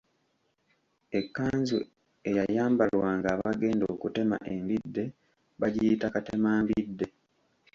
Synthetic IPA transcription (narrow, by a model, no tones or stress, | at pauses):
e̞kːaːɲzṵ | e̞jajaːmbalwaːŋɡaːβaɡe̞ːndoːkute̞ma̰ʔe̞mbidːe̞ | βaɟijitakatemaːmbidːe̞